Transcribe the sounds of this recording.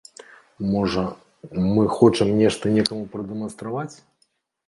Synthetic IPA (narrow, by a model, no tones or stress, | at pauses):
mɔʐɐ | mɨxɔt͡ʂɨmnʲɛʂt̪ɐnʲɛkɐmupɾɐd̪ɛmɐnst̪ɾavat͡sʲ